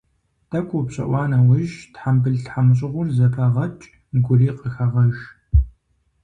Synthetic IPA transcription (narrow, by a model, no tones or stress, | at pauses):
d̥ɐkʷʰʼupɕʼɐ̰ʔʷɑːnɐwʊʒtħambɨɮɬħamɕ̬ʼɪʁʷʊrzɐpʰɐʁɐt͡ʃʼ | mɡʷʊriːqəxɐʁɐʒ